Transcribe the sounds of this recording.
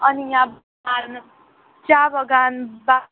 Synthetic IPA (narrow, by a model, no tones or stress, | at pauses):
ʌnijab | an | d͡ʒabʌɡanba